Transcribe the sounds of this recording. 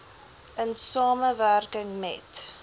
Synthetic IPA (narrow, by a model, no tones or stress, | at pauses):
ənsɑːməværkəŋmɛ̰t